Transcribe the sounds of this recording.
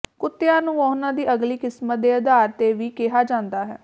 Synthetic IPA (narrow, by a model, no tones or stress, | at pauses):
kʊt̪ːeãːnũːɔːnãːd̪iːʔəɡliːkɪsmət̪̚d̪eːəd̪aːɾt̪eːʋiːkeɦaːd͡ʒãːnd̪aːɦɛː